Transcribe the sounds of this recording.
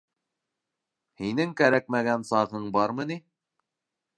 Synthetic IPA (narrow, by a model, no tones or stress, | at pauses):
hinɘŋkæɾæk̚mæɡænsɑʁɤɴbɑɾmɤ̆ni